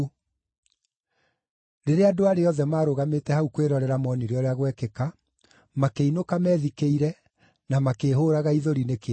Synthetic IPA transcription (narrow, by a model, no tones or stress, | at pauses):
ɾeɾeadoaɾeɔðɛmaːɾoɣametɛhaukweɾɔɾɛɾamɔniɾeɔɾeaɣwɛkɛka | makeinokamɛːðikeiɾɛ | namakeːɦoɾaɣaiðoɾineke